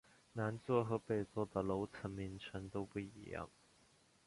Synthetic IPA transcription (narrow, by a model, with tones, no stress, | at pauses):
na˧˥nt͡swɔ˥˧xɤ˧˥pe˥˩ɪt͡swɔ˥˩d̪ə˩lo˧˥ʊt͡sʰə˧˥nmi˧˥ŋʈ͡ʂʰə˧˥nt̪o˥ʊpu˥˩ḭ˧˥jɑ̰˥˩ŋ